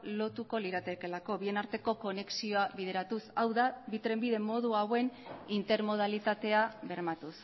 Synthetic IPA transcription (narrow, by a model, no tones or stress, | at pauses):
lo̞t̪uko̞liɾat̪ekelako̞βie̞naɾt̪e̞ko̞ko̞ne̞ksio̞aβið̞e̞ɾat̪usawðaβit̪ɾe̞mbiðe̞mo̞ð̞uawe̞nint̪e̞ɾmo̞ð̞alit̪at̪e̞aβe̞ɾmat̪us